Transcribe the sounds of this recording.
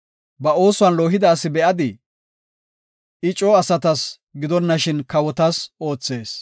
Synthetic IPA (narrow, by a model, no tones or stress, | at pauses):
bɐo̞ːsʊwɐnloːɦɪd̪aːsːɪbɛʔɐd̪ɪ | ɪt͡ʃʼːɔɐsɐt̪ɐs | ɡɪd̪ɔnːɐʃɪnkɐwɔt̪ɐso̞ːt͡sːe̞ːs